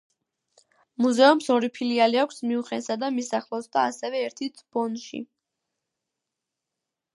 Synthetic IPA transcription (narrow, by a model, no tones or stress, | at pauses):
muzɛumsɔɾipʰilialiakʷʰsmiuχɛnsad̪amisaχlˠɔsd̪aːsɛvɛːɾt̪ʰit̪ʰb̥ɔnʃḭ